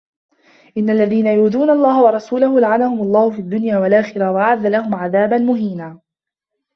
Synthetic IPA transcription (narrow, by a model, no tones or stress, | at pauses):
ʔɪnːalːaðiːnajuːd̪uːnalˤːɑːhwɑɾˤɑsuːlahʊlaʕanahʊmɑlˤːɑːhʊfiːʔad̪ːʊnjaːwalʔaːxɪɾawaʔʕaðːalahʊmʕaðaːbanmʊɦiːnaː